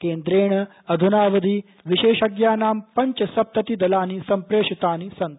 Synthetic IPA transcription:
keːnd̪ɾeːɳɐ | ɐd̪ʱunaːʋɐd̪ʱiː | ʋiʃeːʃɐɡjaːnaːmpɐɲt͡ʃɐsɐp̚t̪ɐt̪id̪ɐlaːnisɐmpɾeːʂit̪aːnisɐnt̪

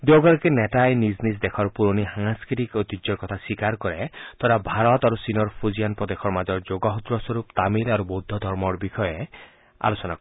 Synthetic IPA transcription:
d̪oɡaɾkeneʈajniznis̬d̪ekʰɔɾpuɾɔniɦaŋaskiɾikɔjt̪id͡ʒjɔɾkɔt̪ʰaswikaɾkɔɾet̪ɔɾabʱaɾɔt̪aɾusinɔɾpʰud͡ʒijanpɾɔd̪ekʰɔɾmad͡ʒɔɾd͡ʒoɡaɦud̪ɾɔswɔɾupt̪amilaɾubod̪ʱːɔd̪ʱɔɾmɔɾbikʰɔje | a̰losɔna

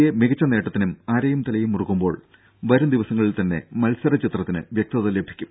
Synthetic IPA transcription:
jemiɣɐt͡ɕːɐne̞ːʈːɐt̪ːinumaːɾɐjumt̪ɐlɐjumurukːumbo̞ːɭ | ʋɐɾumd̪iʋɐsɐŋːɐɭilt̪ɐnːe̞̰mɐlsɐɾɐt͡ɕit̪rɐt̪ːinɨ̰ʋjek̚t̪ɐðɐle̞bʱi̥kʲːum

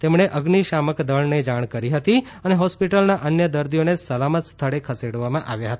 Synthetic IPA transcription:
t̪emɳeʔəɡniʃaməkd̪əɭned͡ʒaɽ̃kəɾiɦət̪i | əneɦɔspiʈəlnaʔənjəd̪əɾd̪ijonesəlamət̪st̪ʰəɭekʰəseɽʋamãʔaʋjaɦət̪a

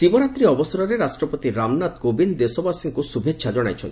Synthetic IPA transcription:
sibɔɾat̪ɾiɔbɔsɔɾɔɾeɾasʈɾɔpɔt̪iɾamnat̪ɡobind̪esobasiŋkusubʱeʃʰad͡ʒɔɽ̃a̰jt͡ʃʰɔ̰nt̪i

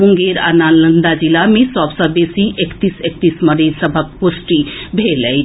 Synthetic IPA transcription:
uŋɡeɾa̰nalənd̪ad͡ʒilamesɔbsəbesiʔekt̪isek̚t̪isməɾesəbʱək̚posʈibʱeləjt̪

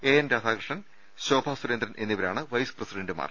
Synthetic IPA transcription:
eːɐnɾaːd̪ʰʱaːkɾɨʂɳɐn | ɕo̞ːbʱaːswuɾɐnd̪ɾɐnʔe̞nːiʋɐɾa̰ːɳɨʋɐjsɨ̥prɐsiɖeɳɖɨma̰ːr

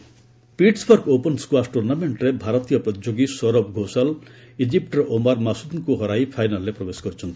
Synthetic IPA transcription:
piʈsbɔɾɡopɔnskwasʈuɾnameɳʈɾebʱaɾɔt̪ijɔpɾɔt̪id͡ʒoɡisɔɾɔbɡʱosal | id͡ʒip̚ʈɾɔʔomaɾmasud̪ŋkuɦɔɾajpʰajnalːepɾɔbesɔ̥kɔɾit͡ʃʰɔnt̪i̥

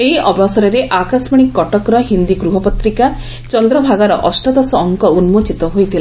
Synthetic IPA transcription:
eɦiʔɔbʱɔsɔɾɔɾeʔakasmiɽ̃ikːɔʈɔkɾɔɦind̪ikɾuɦɔpɔt̪ɾika | t͡ʃɔnd̪ɾɔbʱaɡaɾɔʔɔsʈɔd̪ɔsɔːŋkɔunmot͡ʃit̪ɔɦojt̪ʰila

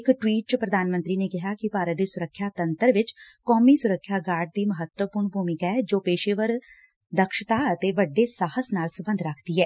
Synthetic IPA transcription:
ɪkʈwiːʈ̚t͡ʃpɾəd̪aːnmə̃nt̪ɾiːneːkɪɦaːkɪpaːɾət̪̚d̪eːsʊɾəkʰːjaːt̪ənt̪əɾʋɪt͡ʃkɔːmiːsʊɾəkʰːjaːɡaːɾɖ̚d̪iːməɦət̪wəpʊːɾɳbʱuːmɪkaɛd͡ʒoːpeːʃeːʋəɾ | d̪əkʃt̪aːət̪eːʋəɖːeːsaːhəsnaːlsəbə̃nd̪ɾəkʰd̪iːɦɛː

